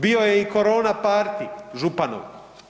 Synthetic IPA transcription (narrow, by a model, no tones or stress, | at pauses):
biojeikoɾoːnapaːɾt̪iʒupano̰ʋ